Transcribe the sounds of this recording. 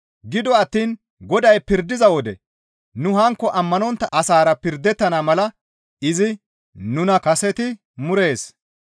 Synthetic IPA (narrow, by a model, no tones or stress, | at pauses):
ɡɪd̪ɔɐt̪ːiːn | ɡɔd̪ɐjpɪɾd̪ːɪzɐwɔd̪ɛ | nʊɦɐŋkːɔʔɐmːɐnɔnt̪ːɐʔɐsaːɾɐpɪɾd̪ɛt̪ːɐnaːmɐlɐ | ɪzɪ | nʊnɐkɐsɛt̪ɪ | mʊɾe̞ːs